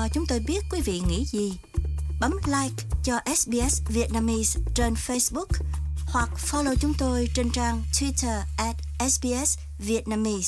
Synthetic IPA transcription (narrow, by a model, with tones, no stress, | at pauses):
t͡ɕʊ˨˦ŋ͡mt̪o˧jɓi˦˥ət̚kwi˨˦vḭ˧˨ŋḭ˧˥zi˨˩ | ɓə˨˦mlaː˧jk̚t͡ɕɔ˧ʔɛ˦˥sɓi˧ʔɛ˦˥svi˨˩ət̚naː˧mi˧st͡ɕe˧nfe˧sɓʊ˦˥k̚hwa˨˩k̚fɔ˦lo̰˧˨t͡ɕʊ˨˦ŋ͡mt̪o˧jt͡ɕe˧nt͡ɕaː˧ŋt̪ʰwi˦˥tʰəː˨˩ʔɛ˨˦˥t̚ʔɛ˦˥sɓi˧ʔɛ˦˥s | vi˨˩ət̚naː˧mi˧s